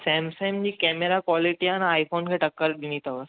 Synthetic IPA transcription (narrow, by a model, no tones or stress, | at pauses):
sɛ̃ːmsẽːmd͡ʑiːkɛːmeɾakʋɔːliʈianaːifoːnkʰeːʈɐkːəɾɗinit̪ʰəʋəs